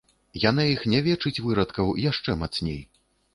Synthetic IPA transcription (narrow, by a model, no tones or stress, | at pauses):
janajixnʲɛvʲɛt͡ʂɨt͡sʲvɨɾɐt̪kɐwjaʂt͡ʂɛmat̪snʲḛj